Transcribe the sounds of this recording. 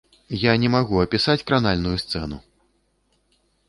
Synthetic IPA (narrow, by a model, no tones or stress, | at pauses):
janʲɛmaɣuɐpʲisat͡sʲkɾanalʲnujust̪sɛnṵ